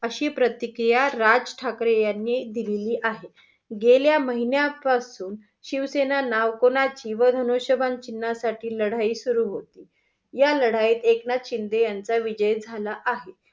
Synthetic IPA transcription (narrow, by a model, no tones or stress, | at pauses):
əɕiːpɾət̪ikɾijaɾad͡zʈʰakɾejanːiːd̪ileliːʔaɦe | ɡeljaməɦinjapasuːn | ɕiʋsenanaʋkonat͡ɕiːʋəd̪ʱənoɕəbʱant͡ɕinːasaʈʰiːləɽ̤aiːsuɾuːɦot̪iː | jaləɽ̤aiːt̪eknat̪ɕind̪ejant͡saʋid͡ʑəjd͡zʱalaʔaɦe